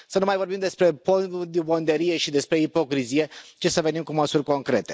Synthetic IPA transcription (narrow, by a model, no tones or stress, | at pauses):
sənumajvo̞ɾbimd̪e̞spɾe̞bod̪bo̞nd̪eɾije̞ʃid̪e̞spɾe̞ipo̞kɾizije̞t͡ʃe̞səve̞nimkuməsurʲko̞ŋkɾe̞t̪e̞